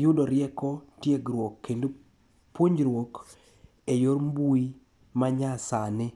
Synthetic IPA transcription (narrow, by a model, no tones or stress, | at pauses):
jʊdɔɾjɛkɔtjeɡɾwokːendo | pwoɲd͡ʒɾwok | ejoɾmbui | maɲasanɪ